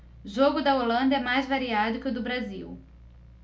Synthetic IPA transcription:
ʒoɡʊd̪ɐolɐ̃nd̪ɐɛmajzvaɾiad̪ʊkɪʊd̪ʊbɾaziw

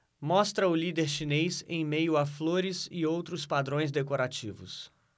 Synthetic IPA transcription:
mɔst̪ɾɐʊlid̪eɾʃinejzḛ̃j̃mejʊafloɾɪzɪowt̪ɾʊspad̪ɾõj̃z̬d̪ekoɾat͡ʃivʊ̰s

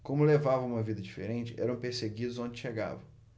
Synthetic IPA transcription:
kõmʊlevavɐ̃ũmɐvid̪ɐd͡ʒifḛɾẽnt͡ʃɪɛ̰ɾɐ̃w̃peɾseɡid̪ʊzõnd͡ʒɪʃeɡa̰vɐ̃w̃

